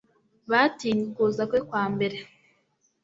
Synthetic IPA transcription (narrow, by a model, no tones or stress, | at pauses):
βatiːɲukuːzakwekwaːmbe̞ɾe